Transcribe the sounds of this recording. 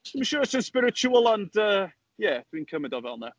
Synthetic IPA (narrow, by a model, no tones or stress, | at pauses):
ɪməʃɔːəsənspɪɾɪt͡ʃuəlˠəndəː | jɛd̥winkʰəmɪdɔvɛ̰lˠnə